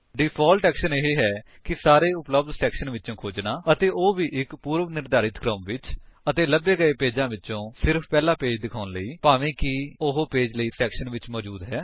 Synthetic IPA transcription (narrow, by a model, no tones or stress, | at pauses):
ɖiːpʰɔːlʈɛːkʃəneɦeːɦɛː | kɪsaːɾeːʊpləb̚d̪sɛːkʃənʋɪtːt͡ʃõːkʰoːd͡ʒnaːət̪eːʔoːʋiːʔɪkpuːɾʋnɪɾd̪aːɾɪt̪kɾəmʋɪt͡ʃət̪eːləbeːɡəeːpeːd͡ʒãːʋɪtːt͡ʃːõːsɪɾpʰpɛːlaːpeːd͡ʒd̪ɪkʰaːʊnləiːpaːʋẽːkɪʊɦoːpeːd͡ʒləiːsɛːkʃənʋɪt͡ʃmɔːd͡ʒuːd̪ɦɛː